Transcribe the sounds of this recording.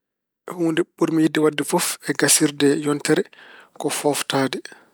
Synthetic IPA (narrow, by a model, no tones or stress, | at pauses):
ʔɛhuːndɛɓuɾmijidːɛwadːɛfɔfɛɡasiɾdɛjɔntɛɾɛkɔfɔftaːdɛ